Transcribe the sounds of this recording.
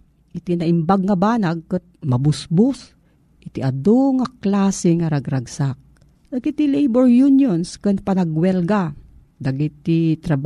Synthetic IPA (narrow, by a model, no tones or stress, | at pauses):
ʔit̪inaʔɪmbaɡ̚ŋabaːnaɡ̚kɨt̪̚mɐbʊsbʊs | ʔɪt̪iʔad̪oŋaklaːsɪŋaɾaɡɾaɡsak̚ | d̪aɡit̪ilejbɔɹjunjonskɨnpanaɡwɛlɡa | d̪aɡit̪ːit̪ɾab